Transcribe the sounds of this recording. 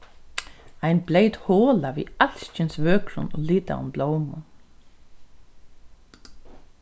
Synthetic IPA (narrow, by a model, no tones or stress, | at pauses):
ajnblejt̪hoːlaʋḭːal̥scɪnsʋøːkɾʊ̰nɔːliːt̪a̰ʊ̰mbloːwmʊn